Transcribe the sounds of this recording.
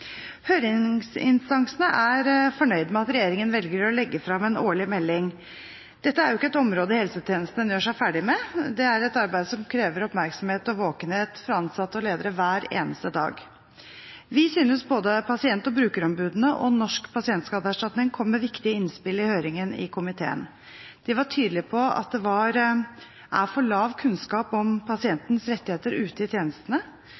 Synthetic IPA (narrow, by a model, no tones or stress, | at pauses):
hœʏɾɪŋsɪ̰nst̪ɑŋsənəʔæɾfɔɳœʏd̪mɛɑt̪ɾɛjeːɾɪŋənʋɛlɡəɾɔlɛɡːəfɾɑmɛnoːɭɪmɛlːɪŋ | d̪̥ɛt̪ːəæɾjʊɪkːəɛt̪ɔmɾoːd̪əhɛlsət̪ʰeːnəst̪n̩ənjøːʂæɪfæːɖɪmɛd̪ɛæɾɛt̪ɑɾbæɪd̪əsɔmkʰɾeːʋəɾɔpmæɾksɔmheːt̪ɔʋoːkənheːt̪fɾɑɑnsɑt̪ːɔleːd̪əɾəʋæːɾḛːnəst̪əd̪ɑ̰ːɡ | ʋɪsyːnəsboːd̪əpʰɑsɪɛnt̪ɔbɾʉːkəɾɔmbʉːd̪nəʔɔnɔʂkpʰɑsɪɛnt̪skɑːd̪əæʂʈɑt̪nɪŋkʰɔmːɛʋɪkt̪ɪəɪnspɪlːɪhøːɾɪŋənɪ̰kʰʊmɪt̪ʰḛːə̰n | d̪̥ɪʋɑʈʰyːd̪lɪpʰɔɑ̰t̪̚d̪ɛʋɑɾ | ʔæ̰ɾfɔɭɑːʋkʰʉnskɑːpɔmpʰɑsɪɛnt̪nəsɾɛt̪ːɪheːt̪əɾʉːt̪əɪt̪ʰjeːnəst̪ənə